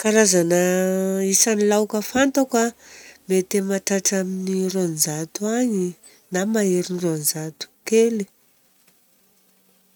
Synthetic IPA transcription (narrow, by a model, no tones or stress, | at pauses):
kaɾazanəisanilawkəfant̪akamet̪emaʈ͡ʂaʈ͡ʂaminirond͡ʒat̪uaɲi | namaeɾinirond͡zat̪u̥keli